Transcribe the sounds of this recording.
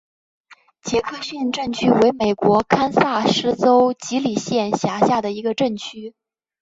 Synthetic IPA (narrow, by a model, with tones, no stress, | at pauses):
t͡ɕjɛ˧˥kʰɤ˥˧ɕɥɛ˥˧nʈ͡ʂə˥˧nt͡ɕʰy˥we˧˥ɪme˨˩ɪkwɔ˧˥kʰa˥nsa˥˩ʂɻ̩˥t͡so˥ʊt͡ɕi˧˥li˨˩ɕjɛ˥˩nɕja˧˥ɕja˥˩d̪ə˩i˧˥ɡə˧ʈ͡ʂə˥˩ŋt͡ɕʰy˥